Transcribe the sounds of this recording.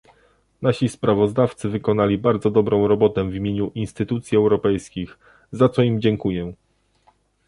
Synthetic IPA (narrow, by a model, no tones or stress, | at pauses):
naɕispɾavɔzd̪aft̪sɘvɘkɔnalʲibaɾd̪zɔd̪ɔbɾɔ̃w̃ɾɔbɔt̪ɛvʲimʲjeɲuʔinst̪ɘt̪ut̪sʲjiɛwɾɔpɛjskʲix | zat̪sɔimd͡ʑɛŋkujɛ